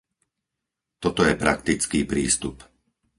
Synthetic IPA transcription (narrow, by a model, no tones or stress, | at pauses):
t̪ɔt̪ɔjɛpɾa̰kt̪it͡skiːpɾiːst̪up